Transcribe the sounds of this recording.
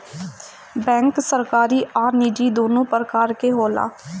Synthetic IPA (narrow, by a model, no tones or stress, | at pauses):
bɛ̃ːŋksəɾkaːɾiːʔaːɾniːd͡ʒiːd̪oːnũːpəɾəkaːɾkeːɦoːla̰ː